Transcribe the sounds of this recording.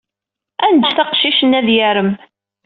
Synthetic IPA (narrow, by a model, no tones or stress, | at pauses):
ænd̪θɑqʃiʃənːæðjæɾəm